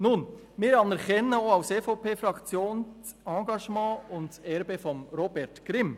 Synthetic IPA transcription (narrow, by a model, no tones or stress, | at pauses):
nun | mɪːɾɑnɛɾkɛnəoːaʊseːfopeːfɾɑkt͡sjoːnst͡sɑ̃ːɡɑʃmɑ̃ːʊntɛɾbefɔmɾobɛɾtɡ̥ɾɪm